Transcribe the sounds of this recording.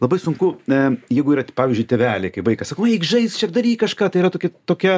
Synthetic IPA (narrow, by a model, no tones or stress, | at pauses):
lˠɐbɐɪsʊŋkʊjɛɪɡʊiːɾɐtpɑːʋʲiːzʲd͡ʒʊɪt̪ʲɛʋʲæːlʲeɪkɐɪpʋɐɪkɐsɑːkoʊɐɪkʒɐɪst͡ʃʲiɛk̚d̪ɐɾʲiːkɐʃkɑːt̪ɐɪiɾɐt̪oːkʲɛt̪oːkʲɛ